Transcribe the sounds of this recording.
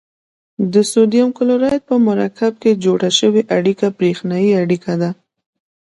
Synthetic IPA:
d̪əsod̪ijamkʊloɾɑjt̪̚pəmʊɾakab̚ked͡ʒoɽaʃəweʔaɽikabɾexnajiaɽikʰad̪a

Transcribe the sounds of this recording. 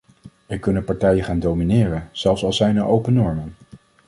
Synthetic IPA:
ʋəjkɵnənpɑɹtɛjəχaːndowminɪːrənz̥ɛlˠfsɑlˠsɛjnəɹʔowpənɔɹmən

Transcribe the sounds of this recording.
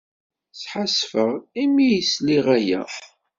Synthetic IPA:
sħasfəʁimijəsliʁæjæ̰

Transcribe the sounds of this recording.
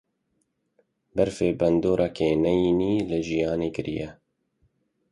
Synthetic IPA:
bɛɾfeːbɛnd̪oːɾʔɑkʰeːnɛjiːniːlɨʒijɑːneːkɨɾḭjɛ

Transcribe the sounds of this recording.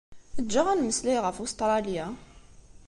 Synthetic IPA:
əd̪ʒaʁænməsliʁəfust̪ˤɾˤɑlija

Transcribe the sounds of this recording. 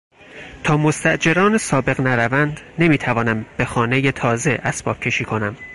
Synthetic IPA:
t̪ʰɒːmo̞st̪æʔd͡ʒe̞ɾɒːnesɒːbe̞ɣnæɾævænd̪ne̞miːt̪ʰævɒːnæmbe̞xɒːne̞jet̪ʰɒːzeʔæsb̥ɒːb̥̚cʰe̞ʃiːkʰo̞næm

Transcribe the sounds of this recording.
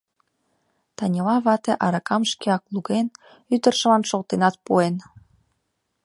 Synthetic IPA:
t̪ɑnʲilɑβɑt̪eʔɑɾɑkɑmʃkeɑkluɣen | yt̪ərʃə̆lɑnʃolt̪enɑt̪̚puen

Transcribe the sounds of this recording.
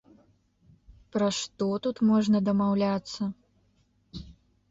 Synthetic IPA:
pɾɐʂt̪ɔt̪ut̪mɔʐnɐd̪ɐmawlʲat̪sːɐ

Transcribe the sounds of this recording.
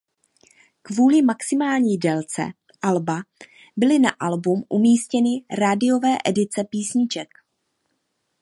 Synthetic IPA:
kvuːlɪmaksɪmaːlɲiːdɛlt͡sɛ̰ | ʔalba | bɪlɪna̰ʔalbumʔumiːscɛnɪɾadɪo̞vɛːʔɛdɪt͡sɛpiːsɲɪt͡ʃɛk

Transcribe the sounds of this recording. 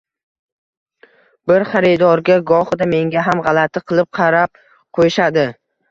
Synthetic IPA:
bɪɾχɑɾɪd̪ɒɾɡʲaɡɒχɨd̪ame̞ŋɡʲaɦamʁɑlˠat̪ʰɪqʰɨlˠɪp̚qʰɑɾap̚ | qʰojʃad̪ɪ

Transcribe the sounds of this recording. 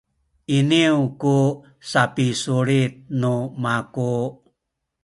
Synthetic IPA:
iniuku | sapisuɾit̪̚numaku

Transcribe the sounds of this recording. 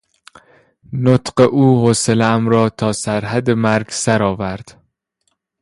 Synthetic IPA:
not̪ɢeʔuːhoselææmɾɒːt̪ʰɒːsæɾɦæd̪emæɾɡsæɾɒːvæɾd̪̥

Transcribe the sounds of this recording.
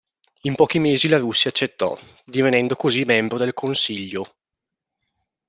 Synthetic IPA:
impɔːkimeːzilaɾusːjaːt͡ʃːet̪ːɔ̰d̪ivenɛnd̪okozimɛmbɾod̪elkʰonsiʎːo

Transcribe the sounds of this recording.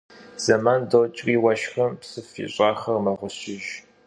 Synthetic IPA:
z̥ɐmaːndot͡ʃʼriːwɐʃxɐmpsɨfḭɕʼɑːχɐrmɐʁʷʊɕɪʒ

